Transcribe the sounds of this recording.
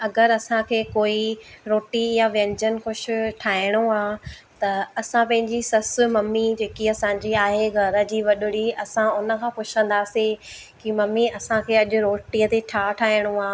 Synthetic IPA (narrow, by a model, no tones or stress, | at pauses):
ɐɡəɾɐsãkʰeːkoːiɾoːʈijaʋɐ̃ɲd͡ʑənxʊʃʊ̆ʈʰaːɪɽ̃uaː | t̪ɐɐsãpɐ̃ɦɪ̃ɲd͡ʑisɐsʊmɐmːid͡ʑeːkiɐsãːɲd͡ʑiaːɦeɡʱɐɾə̆d͡ʑiːʋɐɗʊɽiɐsãʊnə̆kʰãːpʊt͡ɕʰə̃nd̪aːsĩ | kimɐmːiɐsãkʰeːɐʄʊ̆ɾoːʈiət̪eʈʰaːʈʰaːɦɪɽ̃uaː